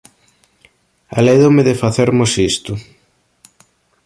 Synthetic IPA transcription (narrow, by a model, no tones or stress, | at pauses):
a̰leðomɪðɪfaθeɾmosist̪ʊ